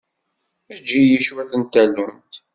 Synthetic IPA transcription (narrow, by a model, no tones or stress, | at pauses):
æd͡ʒːijiʃwæθənt̪ælunt̪